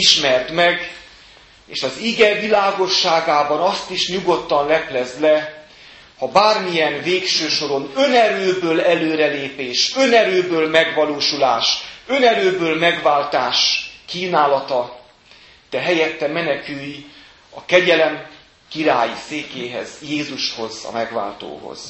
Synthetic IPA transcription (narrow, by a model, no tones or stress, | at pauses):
iʃmɛrt̪mɛɡ | ḛːʃɒziɡɛvilaːɡo̞ʃːaːɡaːbɒnɒst̪iʃɲuɡo̞t̪ːɒnlɛplɛzlɛ | hɒbaːrmijɛnveːkʃøːʃo̞ɾo̞nønɛɾøːbøːlɛløːɾɛleːpeːʃø̞nɛɾøːbøːlmɛɡʋɒloːʃulaːʃønɛɾøːbøːlmɛɡvaːlt̪aːʃkiːnaːlɒt̪ɒ | d̪̥ɛɦɛjɛt̪ːɛmɛnɛkyj | ɒkɛɟɛlɛm | kiɾaːjḭseːkeːɦɛ̰zjeːzuʃho̞zɒ̰mɛɡva̰ːlt̪o̰ːho̰z̥